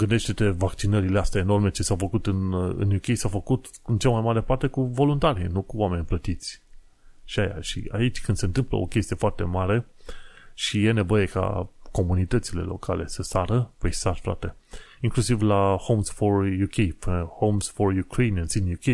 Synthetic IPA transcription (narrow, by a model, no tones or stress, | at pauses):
ɡɨnd̪eʃt̪et̪e̞vakt͡ʃinəɾileast̪aeno̞rme̞t͡ʃe̞sawfəkut̪ɨnɨ̰njukʲejsawfəkut̪ | ɨnt͡ʃamajmaɾe̞part̪e̞kuvo̞lunt̪aɾinukuwame̞nʲplət̪it̪sʲ | ʃiaja̰ʃḭait͡ʃʲkɨnd̪se̞ɨnt̪ɨmplə̰o̞̰kʲest̪ie̞foart̪e̞maɾe̞ | ʃije̞ne̞vo̞je̞ka̰ko̞munit̪ət̪sile̞̰lo̞̰kʰa̰le̞̰səsaɾəpəjsarfɾa̰t̪e̞iŋklusivlahowmsfo̞rjukʰʲejfəhowmsfo̞rjukɾejniənsinjukʲej